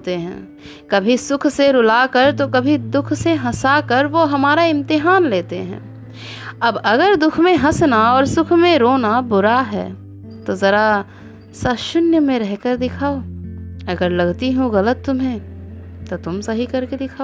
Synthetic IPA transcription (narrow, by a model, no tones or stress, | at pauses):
t̪eɦɛ̰̃ː | kɐbʱisʊkʰseɾʊlakəɾt̪okɐbʱid̪ʊkʰseɦɐsakəɾʋoɦɐmaːɾaɪ̃mt̪ɪɦaːnleːt̪eɦɛ̰̃ː | ɐbɐɡəɾd̪ʊkʰmẽɦɐsnaɔːɾsʊkʰmẽɾoːnabʊɾaɦɛ̰ː | t̪ozɐɾa | saːʃʊnjəmẽɾɛɦkəɾd̪ɪkʰaːoːɐɡəɾlɐɡt̪iɦũɣɐlət̪ːʊmɦẽ | t̪ot̪ʊmsɐɦikɐɾked̪ɪkʰaːo